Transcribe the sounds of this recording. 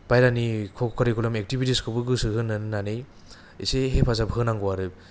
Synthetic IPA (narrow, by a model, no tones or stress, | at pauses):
bajɾanikʰɔkʰkʰaɾikʰulɔmek̚tibitiskʰɯbɯɡɯsɯɦɯnːanɯnanej | iseɦepʰazabɦɯnaŋɡɔwaɾɯ